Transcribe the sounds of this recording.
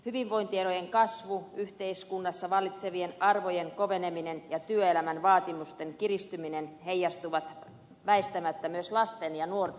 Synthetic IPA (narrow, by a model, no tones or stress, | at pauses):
hyʋiʋʋoint̪ieɾojeŋkɑsʋuyht̪eiskunːɑsːɑʋɑlːit̪seʋienɑrʋojeŋkoʋeneminenjɑt̪yøelæmænʋɑːt̪imust̪eŋkirist̪yminenhejːɑst̪uʋɑt̪ | ʋæest̪æmæt̪ːæmyøslɑst̪enjɑnuor